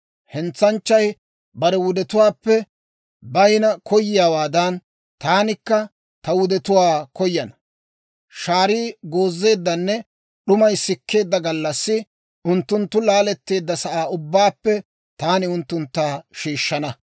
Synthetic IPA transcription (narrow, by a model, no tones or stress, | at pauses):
hɛnt͡sːɐnt͡ʃːɐj | bɐɾɛwʊd̪ɛt̪ʊwaːpːɛ | bɐjnɐkʰɔjːɪjaːwaːd̪ɐn | t̪aːnɪkːɐ | t̪ɐwʊd̪ɛt̪ʊwaːkɔjːɐnɐ̥ | ʃaːɾiːɡo̞ːzːe̞ːd̪ːɐnːɛ | ɗʊmɐjsɪkʰːe̞ːd̪ːɐɡɐlːɐsːɪ | ʔʊnt̪ːʊnt̪ːʊlaːlɛt̪ːe̞ːd̪ːɐsɐʔaːʊbːaːpːɛ | t̪aːnɪʊnt̪ːʊnt̪ːaːʃiːʃːɐnɐ